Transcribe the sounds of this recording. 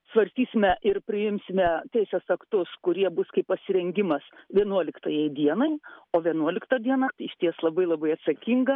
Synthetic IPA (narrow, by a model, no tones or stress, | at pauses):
sʋɐrʲsʲt̪ʲiːsʲɪmʲɛʔɪrpʲɾʲɪjɪmʲsʲɪmʲɛt̪ʲɛɪsʲeːsɐkt̪ʊskʊɾʲiɛbʊskɐɪppɐsʲɪɾʲɛŋʲɡʲɪmɐsʋʲiɛnuɔlʲɪkt̪ɐjɛɪd̪ʲiɛnɐɪoːʋʲiɛnuɔlʲɪkt̪ɐd̪ʲiɛnɑt̪ɐɪɪʃʲt̪ʲiɛslˠɐbɐɪlˠɐbɐɪɐt̪sɐkʲɪŋɡɐ